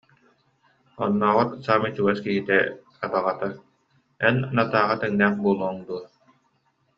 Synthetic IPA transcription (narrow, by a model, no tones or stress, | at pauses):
ɔ̰nːɔːʁɔt̪saːmit͡ʃuɡɛskiɦit̪ɛkabaʁat̪a | ɛnanat̪aːʁat̪ɛŋnæːχbuːlˠuɔŋd̪uɔ